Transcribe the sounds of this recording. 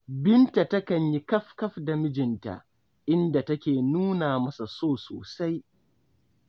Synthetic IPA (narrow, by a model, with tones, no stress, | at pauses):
bɪ˦nta˨tɐ˦kɐ˨ɲji˦kɐ˦ɸkɐ˦ɸda˨mɪ˦d͡ʒɪ˨nta̰˨ | ʔɪ˦nda˨tɐ˦kʲeː˨nuː˦naː˨mɐ˦sa˨soː˦˨so̰ː˨sa˦j